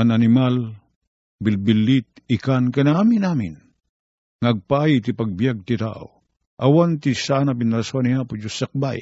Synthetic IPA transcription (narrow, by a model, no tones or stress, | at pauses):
anɐnɪmal | bɪlbɪlːit̪̚ | ɪkankɐnamɪnaːmɪn | ŋɐɐɡ̚paajit̪ipɐɡ̚bijaɡ̚t̪it̪a̰ʔo̰ | ʔɐwant̪isanɐpɪnɐɾɐsuanihapʊt͡ʃosɐk̚ba̰j